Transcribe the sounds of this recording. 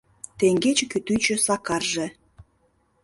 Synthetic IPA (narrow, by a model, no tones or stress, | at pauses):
t̪eŋɡet͡ɕekyt̪yt͡ɕĕsɑkɑrʒĕ